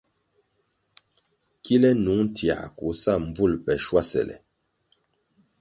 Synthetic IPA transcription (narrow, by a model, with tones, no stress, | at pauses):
ki˦lɛ˦nu˨˦ŋn˦tʰja̰˨ku˨˦sa˦˨m˨b͡vu˦˨lpɛ˨ʃwa˦sɛ̰˨lɛ̰˨